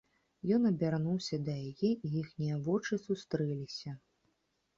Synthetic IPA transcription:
jɔnɐbʲarnuwsʲɐd̪ɐjajɛʔijixnʲijɐvɔt͡ʂɨsust̪ɾɛlʲisʲɐ

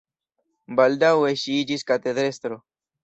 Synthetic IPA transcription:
bald̪aweʃiid͡ʒiskat̪ed̪ɾest̪ɾo

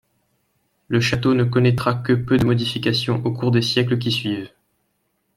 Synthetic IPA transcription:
ləʃat̪onəkɔnɛt̪χakəpød̪əmɔd̪ifikasjɔ̃ʔokuʁd̪esjɛklək̬ʲisɥiv

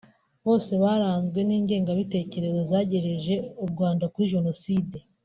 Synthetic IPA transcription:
βo̞ːse̞βaɾaːnzɡwe̞niːɲɟe̞ːŋɡaβite̞ːce̞ɾe̞zo̞zaɟe̞ɾe̞ʒe̞ubɡwaːndakuɾiʒe̞no̞siːde̞

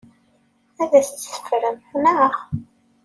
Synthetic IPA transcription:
æðæst͡sːsə̥fɾəmnæχ

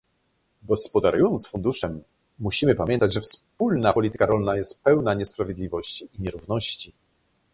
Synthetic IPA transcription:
ɡɔspɔd̪aɾujɔnt̪sfund̪uʂɛmː | uɕimɘpamʲjɛnt̪ad͡ʑʐɛfspulnapɔlʲit̪ɘ̥kaɾɔlnajɛst̪̚pɛwnaɲɛspɾavʲjed̪lʲivɔɕt͡ɕiʔiɲɛɾuvnɔɕt͡ɕi

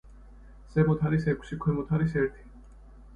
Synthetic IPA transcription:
z̥ɛmɔt̪ʰaɾisɛkʷʰsikʰwɛmɔt̪ʰaɾisɛɾt̪ʰi̥

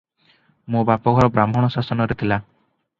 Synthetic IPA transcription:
mũbapɔɡʱɔɾɔbɾam̤ʱɔɽ̃ɔsasɔnɔɾet̪ʰila

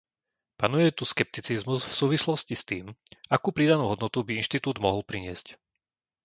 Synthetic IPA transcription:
panujɛt̪uskɛp̚t̪it͡sizmuzfsuːʋislɔscist̪iːmakuːpɾiːd̪anuːɦɔd̪nɔt̪ubiinʃt̪it̪uːd̪mɔɦlpɾiɲɪɛsc

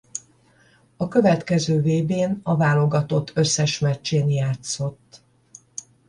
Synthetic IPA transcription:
ɒkø̞vɛt̪kɛzøːveːbeːnɒvaːlo̞ɡɒt̪o̞t̪ʰːø̞sːɛʃmɛt͡ʃːeːnjaːt̪so̞t̪ː

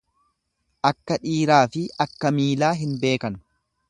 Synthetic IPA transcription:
ʔɐkːɐᶑiːɾaːfɪɐkːɐmiːlaːɦɪnbe̞ːkɐnʊ

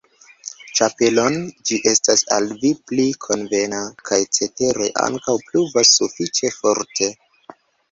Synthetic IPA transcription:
t͡ʃape̞lo̞nd͡ʒiʔe̞stasa̰lviplikʰo̞nve̞nakʰajt͡se̞te̞ɾo̞jʔa̰ŋkawpluvasːufit͡ʃe̞fo̞ɾtʰe̞

